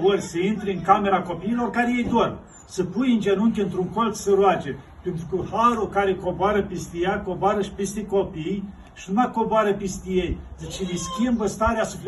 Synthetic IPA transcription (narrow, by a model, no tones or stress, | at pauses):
orʲsəint̪ɾeɨŋkame̞ɾako̞piːlo̞rkaɾejejd̪or | səpujɨnd͡ʒenuŋkʲeɨnt̪ɾuŋko̞lt̪səɾoat͡ʃe | pent̪ɾukəhaɾukaɾekoboaɾəpist̪ijakoboaɾəʃi̥pist̪eko̞pij | ʃinumakoboaɾəpist̪ijejd̪it͡ʃeliskʲimbəst̪aɾeasupl